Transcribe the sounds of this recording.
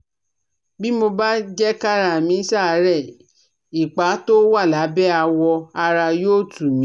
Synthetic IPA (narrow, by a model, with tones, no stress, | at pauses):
bi˦mo˧ba˦d͡ʒɛ˦ka˦ɾa˧˨mĩ˨˧˦sa˦˨˧ɾɛ˦˨ | i˨k͡pa˨˦to˦wa˦˨la˨˦bɛ˦a˧wɔ˧a˧ɾa˧joː˦˨tu˨mĩ˦